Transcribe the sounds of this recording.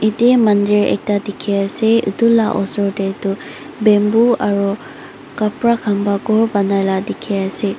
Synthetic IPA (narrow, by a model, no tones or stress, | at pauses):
itɛmandiɹɛ̰k̚tadikʰiasɛṵtulaʔɔ̰sɔɹdɛtu | bɛmbuaɹu | kapɹakʰambaɡɔɹbanajladikʰiasɛ